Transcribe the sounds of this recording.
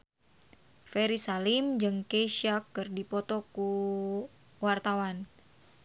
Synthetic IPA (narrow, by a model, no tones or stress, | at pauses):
fɛɾisalimd͡ʒɨŋkeiʃakːɨrdipɔt̪ɔku | wart̪awan